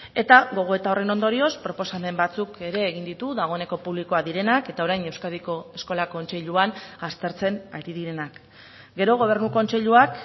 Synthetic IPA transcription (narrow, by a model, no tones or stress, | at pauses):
e̞t̪aɣo̞ɣ̞o̞e̞t̪ao̞re̞no̞nd̪o̞ɾio̞spɾo̞po̞same̞mbat͡suke̞ɾe̞ːɣind̪it̪uðaɣ̞o̞e̞ne̞ko̞puβlikoaðiɾe̞nake̞t̪ao̞ɾajne̞wskaðiko̞e̞sko̞lako̞nt͡se̞ʎuanast̪e̞ɾt͡se̞naɾiðiɾenak | ɡe̞ɾo̞ɣ̞o̞β̞e̞rnuko̞nt͡se̞ʎuak